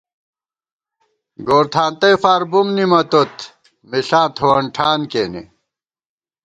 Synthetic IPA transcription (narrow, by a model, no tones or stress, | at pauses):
ɡoːɾt̪ʰaːnt̪ɐjfaːɾbumnimɐt̪ot̪ | miɬãːt̪ʰoɐɳʈʰaːnkeːnḭ